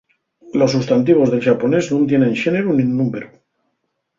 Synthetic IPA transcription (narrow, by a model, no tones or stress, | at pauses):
lo̞sːust̪ant̪iβ̞o̞zðe̞lʃapo̞ne̞znũnt̪je̞nẽ̞nʃe̞ne̞ɾunĩnːũmpeɾu